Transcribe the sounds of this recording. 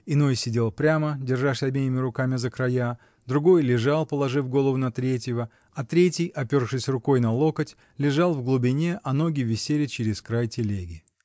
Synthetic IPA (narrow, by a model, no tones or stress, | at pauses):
ɪno̞jsʲɪdʲe̞lˠpɾʲamədʲɪrʐaʂsʲɐbʲejʲɪmʲɪɾʊkamʲɪzəkɾaja | d̪ɾʊɡo̞jlʲɪʐɑlˠpəlˠɐʐɨfɡo̞lˠəvʊnɐt̪ɾʲetʲjɪvə | ɐt̪ɾʲetʲɪjɐpʲo̞rʂɨsʲrʊko̞jnɐlˠo̞kətʲ | lʲɪʐɑlˠvɡlˠʊbʲɪnʲeʔɐno̞ɡʲɪvʲɪsʲelʲɪt͡ɕɪɾʲɪskɾajtʲɪlʲeɡʲɪ